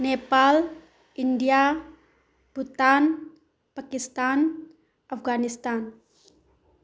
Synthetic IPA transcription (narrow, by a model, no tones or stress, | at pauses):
nepal | india | put̪an | pakist̪an | afɡanist̪an